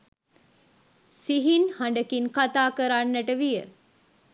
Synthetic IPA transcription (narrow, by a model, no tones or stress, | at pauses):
siɦinhaɳɖəkinkat̪aːkəɾanːəʈəʋijə̰